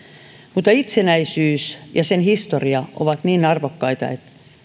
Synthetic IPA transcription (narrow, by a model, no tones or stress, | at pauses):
mut̪ːˑɑit̪senæisyːsjɑsenhist̪oriɑo̰ʋɑt̪niːnɑrʋokːɑit̪ɑ̰et̪